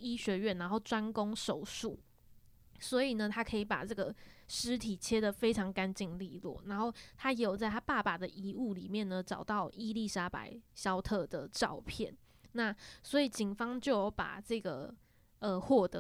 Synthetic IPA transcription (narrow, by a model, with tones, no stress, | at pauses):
i˦˥ɕɥɛ˧˥ɥɛ˥˩nːa˧˥nxo˥˩ʊʈ͡ʂwa˦nko˥ŋʂo˨˩ʊʂu˥˩˨ | swɔ˧˥i˨˩nə˩t̪ʰa˥kʰɤ˧˥i˨˩pa̰˨˩ʈ͡ʂɤ˥˩ɡə˩ʂɻ̩˧˥t̪ʰi˨˩t͡ɕʰjɛ˥d̪ə˨fe˥ɪʈ͡ʂʰɑ˧˥ŋka˦˥nt͡ɕi˥˧ŋli˥˧lwɔ̰˥˩na˧˥nxo˥˩ʊt̪ʰa˥jɛ˧˥jo˨˩t͡sa˥˩ɪa˥pa˥˩pa˨˩d̪ə˨ʔi˧˥u˥˩li˨˩mjɛ˥˨˩nnə˩ʈ͡ʂɑ˨˩ʊt̪ɑ˥˩ʊi˥li˥˧ʂa˥pa̰˨˩˦ɪɕjɑ˥ʊt̪ʰɤ˥˩d̪ə˩ʈ͡ʂɑ˥˨˧ʊpʰjɛ˥˩˨n | na˥˩swɔ˧˥i˨˩t͡ɕi˨˩nfɑ˥ŋt͡ɕjo˥˩ʊjo˨˩ʊpa̰˨˩ʈ͡ʂɤ˥˩ɡə˩ | ə˨xwɔ˥˩t̪ə˧˦